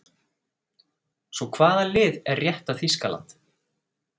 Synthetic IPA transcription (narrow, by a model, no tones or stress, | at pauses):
svɔkʰvaːðalɪːðɛrrjɛht̪aθiskala̰nt̪